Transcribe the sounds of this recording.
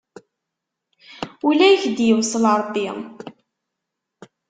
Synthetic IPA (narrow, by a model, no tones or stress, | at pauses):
ulæjçd̪jəwsˤəlɾˤəbːi